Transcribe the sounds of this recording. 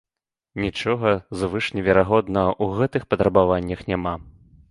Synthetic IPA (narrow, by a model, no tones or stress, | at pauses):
nʲit͡ʂɔɣɐzvɨʂnʲɛvʲɛɾaɣɔd̪nɐɐʔuɣɛt̪ɨxpɐt̪ɾɐbavanʲːɐxnʲama